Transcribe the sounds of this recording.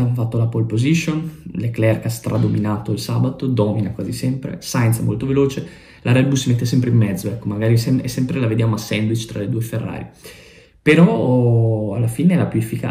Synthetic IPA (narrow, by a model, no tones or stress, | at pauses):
amfat̪ːolapolpoziʃonleklɛrkast̪ɾʔad̪ominaːt̪oilsabat̪od̪ɔminakwaːzisɛmpɾḛsajnsɛmːolt̪oveloːt͡ʃe | lʔaɾɛd̪busimet̪ːesɛmpɾeimːɛd̪zoɛkːomaɡaːɾisɛmɛsːɛmpɾelaved̪jamoasɛnd̪wit͡ʃt̪ɾaled̪uːeferːa̰ːɾi | peɾɔ | alːafiːneɛlapjuefːika̰